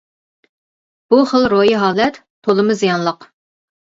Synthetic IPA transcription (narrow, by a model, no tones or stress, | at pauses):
b̥uχəlˠɾojiɦɑːlˠɛt̪ʰːolˠɨmɨzijɑnlˠəq